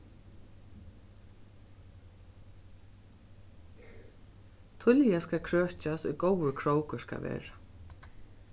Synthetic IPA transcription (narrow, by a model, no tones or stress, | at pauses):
t̪ʰʊljaskaːkʰɹœːht͡ʃasʊjkowəkʰɹowkʏska̰ʋɛ̰ːɹḁ